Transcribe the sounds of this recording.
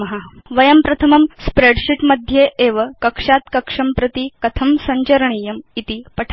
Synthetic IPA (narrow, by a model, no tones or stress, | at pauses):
ɐɦaʋɐjɐmpɾɐt̪ʰɐmɐmspɾeɽɕiʈmɐd̪ʱjeʔeʋɐkɐkʂat̪kɐkʂɐmpɾɐt̪ikɐt̪ʰɐmsɐɲt͡ɕɐɾɐɳijɐmit̪ipɐʈʰ